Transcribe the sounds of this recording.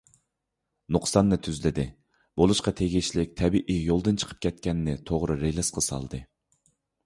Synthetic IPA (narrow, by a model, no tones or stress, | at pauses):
nuqsɑnːɨt̪ʰyzlɪd̪ɪ | b̥olˠuʃqɑt̪ʰeɡʲiʃlɪk̚ʲt̪ʰɛbiʔijolˠd̪ɨnt͡ʃʰə̥qʰə̥p̚kʲʰɛt̪̚kʲɛnːɪt̪ʰoʁɾɨɾelˠɨsqʰɑsɑ̰lˠd̪ɨ